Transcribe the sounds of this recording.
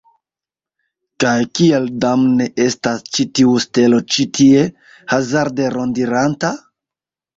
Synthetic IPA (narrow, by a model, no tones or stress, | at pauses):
kajkieldamne̞ʔe̞stast͡ʃitiuste̞lo̞t͡ʃitie̞ | hazaɾde̞ɾo̞ndiɾanta